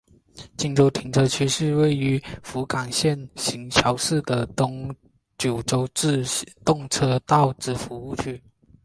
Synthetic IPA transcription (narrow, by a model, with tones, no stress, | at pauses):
t͡ɕi˥˧ŋʈ͡ʂo˥ʊt̪ʰi˧˥ŋʈ͡ʂʰɤ˥t͡ɕʰy˥ʂɻ̩˥˧we˥˩ɪy˧˥fu˧˥kɑ˨˩ŋɕjɛ˥˩nɕi˧˥ŋt͡ɕʰjɑ˧˥ʊʂɻ̩˥˩d̪ə˩˧ŋ | t͡ɕjo˨˩ʊʈ͡ʂo˥ʊ˥˧t̪ʊ˥˩ŋʈ͡ʂʰɤ˥t̪ɑ˥˩ʊʈ͡ʂɻ̩˧˥fu˧˥u˥˧t͡ɕʰy˥˩